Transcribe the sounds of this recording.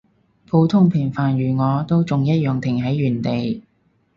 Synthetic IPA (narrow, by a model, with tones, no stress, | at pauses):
pʰo˨˧wt̪ʰʊ˥ŋpʰɪ˨˩ŋfaː˨njyː˨˩ŋɔː˨˧t̪o˥wt͡sʊ˨ŋjɐ˥t̚jœː˨ŋt̪ʰɪ˨˩ŋɦɐ˨˥jːyː˨˩nt̪e˨j